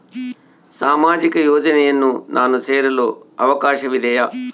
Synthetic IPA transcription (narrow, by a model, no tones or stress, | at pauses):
saːmaːd͡ʒikɐjɔːd͡ʒɐnɛjɐnːunʔaːnuseːɾɐloːɐʋɐkaːʃɐʋid̪ɛjaː